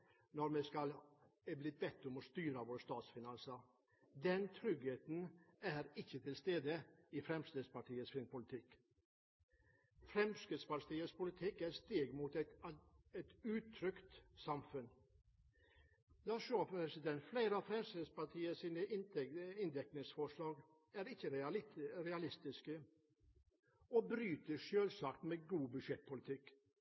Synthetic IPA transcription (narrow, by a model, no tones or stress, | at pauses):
nɔɾmɛskɑlɛblɪt̪̚bɛt̪ːʊmɔst̪yːɾɑʋoːɾst̪ɑːt̪sfɪnɑnsəɾ | d̪ɛnt̪ʰɾʏɡheːt̪n̩æɾɪçːət̪ʰɪlst̪eːd̪əɪfɾɛmsɪəd̪spɑʈiːəsfɾɪnpʰʊlɪt̪ʰɪk | fɾɛmskəd̪spɑʈiːəspʊlɪt̪ʰɪkæɾst̪eːɡmuːt̪ɛt̪ɛt̪ʉːt̪ʰɾʏkt̪sɑmfʉn | d̪ɑːʃøːpɾɛsɪd̪ɛnt̪fleɪɾəɑfɾɛmsəspɑʈʰiːəsiːnəɪɪnd̪ɛknɪŋsfɔʂlɑːɡ | æɾɪçəɾɾɛɑlɪst̪ɪskə | oːbɾyːt̪əʂøːlsɑkt̪meɡuːbʉʂɛt̪̚pʰʊlɪt̪ʰɪk